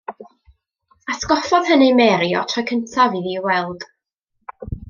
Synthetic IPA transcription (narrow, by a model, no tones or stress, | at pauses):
asɡɔfɔð̥hənimɛɾiɔ̰tʰɔjkʰəntʰaviðiwɛlˠd̥